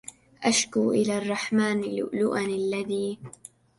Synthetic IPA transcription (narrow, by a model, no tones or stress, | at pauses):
ʔaʃkuːʔɪlaːrˤːɑħmaːnlʊ̰ʔlʊʔanalːaðiː